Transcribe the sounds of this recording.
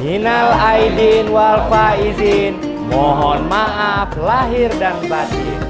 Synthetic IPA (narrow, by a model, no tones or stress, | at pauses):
hinalaidinwalfaizin | mɔɦɔnmaʔaflaɦirdanbad͡ʒḭr